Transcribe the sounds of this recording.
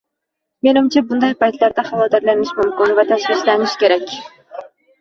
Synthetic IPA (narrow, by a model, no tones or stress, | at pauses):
menɪmt͡ʃʰɛbund̪ɑjpɑjt̪læɾd̪ɑχɑvɑːd̪ɪɾlænɪʃmumkʲɪnvɛt̪ʰɛʃχiʃlænɪʃkʲeɾɛkʲ